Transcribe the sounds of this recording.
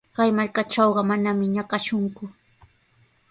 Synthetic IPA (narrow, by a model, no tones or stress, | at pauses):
kajmaɾkaʈ͡ʂɑwɢɑmanamɪɲakaʃʊŋkʊ